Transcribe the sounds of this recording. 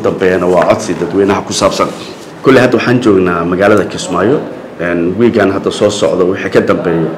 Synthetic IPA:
d̪ɐmbɛːjɐnɐwɑːʔɐd̪sɪd̪ɐd̪wɛːnɐɦɐkʰʊsaːbsɐn | kʰɔlːɪhɐd̪ːɐwʊħɑːnt͡ʃɔːɡnaːmɐɣaːlɐðɐkʰɪsmaːjɔ | ɛnwiːɡaːnɦɐd̪ɐsɔːsɔ̰ʕðɔwɪħikʰɐd̪ɐmbɛːjɛ

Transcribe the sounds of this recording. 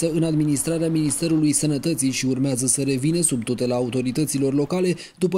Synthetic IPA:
əɨnad̪minist̪ɾaɾeaminist̪e̞ɾulujsənət̪ət̪sijʃiurmeazəsəɾe̞vinəsubt̪ot̪elaːut̪o̞ɾit̪ət̪silo̞rlo̞kale̞ | d̪upə

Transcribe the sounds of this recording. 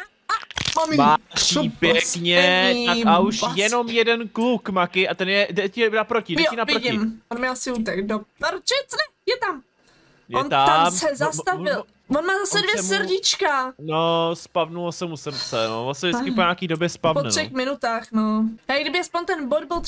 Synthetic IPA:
amammaipjɛkɲɛaauʃjɛnomjɛdɛnklukmakɪʔat̪ɛnjɛdɛcɛnapɾocɪdjɛoɪnavɾɪoɟɪɪmonmɪɛasɪuːt̪ɛkdopaɾt͡ʃɛt͡snɛjɛt̪am | jɛnt̪aamsɛzast̪aɪl | vonmaːzasɛdvjɛsəɾɟɪt͡ʃkanospavnulosɛmusɛmsɛno̰vonsɛdɪt͡skɪoɲakiːdobjɛspavpotnɛʂɛxmɪnut̪aːxnojaːɡdɪbɪxaspoɲt̪ɛnbod̚bɪl

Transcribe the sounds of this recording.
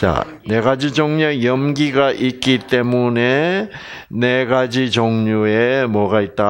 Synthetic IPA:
t͡ɕa̰ | ne̞ɡad͡ʑid͡ʑʌŋɲʌjʌmɡiɡaʔik͈it͈e̞mune̞ | ne̞ɡad͡ʑid͡ʑʌŋɲue̞mwʌɡait̚t͈a

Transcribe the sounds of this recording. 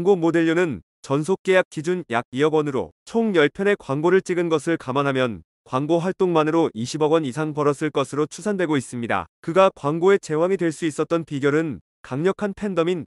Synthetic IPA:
ŋɡomode̞ʎːonɯn | t͡ɕʌns̬ʰok̚k͈e̞jak̚k͈id͡ʑunjaɡ̚iʌɡwʌnɯɾo̰t͡ɕʰoŋjʌɭpʰjʌne̞kwaŋɡoɾɯɭt͡ɕ͈iɡɯnɡʌsʰɯɭkamanɦamjʌn | kwaŋɡoɸwaɭt͈oŋmanɯɾoʔiɕʰibʌɡwʌnisʰaŋpʌɾʌs͈ɯɭk͈ʌsʰɯɾot͡ɕʰusʰandwe̞ɡois͈ɯmɲida̰kɯɡakwaŋɡoe̞t͡ɕe̞waŋidwe̞ɭs͈uis͈ʌt̚t͈ʌnpiɡjʌɾɯn | kaŋɲʌkʰanpʰe̞ndʌmin

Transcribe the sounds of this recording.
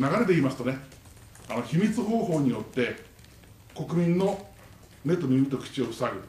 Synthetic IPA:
naɡaɾe̞t̪̬e̞imasɨ̥t̪o̞ne̞ | ano̞çimʲit͡sɨɦo̞ːɦo̞ːɲ̟ijo̞t̪ːe̞ | ko̞kɯ̟mʲĩnːo̞ | ne̞t̪omʲiit̪okʲi̥t͡ɕio̞ɯ̟saɡɯ̟

